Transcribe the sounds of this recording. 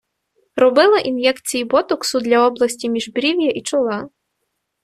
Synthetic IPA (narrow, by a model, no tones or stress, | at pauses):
ɾɔbɪlˠɐʔinjɛkt͡sʲijibɔt̪ɔksʊd̪lʲɐɔblˠɐsʲtʲimʲiʒbɾʲiwʲjɐʔit͡ʃɔlˠɑ